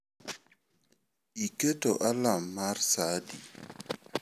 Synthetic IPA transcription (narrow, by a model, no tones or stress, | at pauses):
iketoʔalamːarsadi